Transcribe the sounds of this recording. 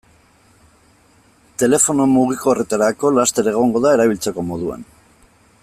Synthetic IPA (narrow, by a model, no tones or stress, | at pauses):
t̪e̞le̞fo̞no̞muɣ̞ikoːre̞t̪aɾako̞last̪e̞ɾe̞ɣ̞o̞ŋɡo̞ðae̞ɾaβ̞ilt͡seko̞mo̞ð̞ua̰n